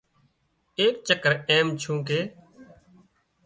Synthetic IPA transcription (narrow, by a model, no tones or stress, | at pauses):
eːk̚t͡ʃəkəɾeːmt͡ʃʰũːkeː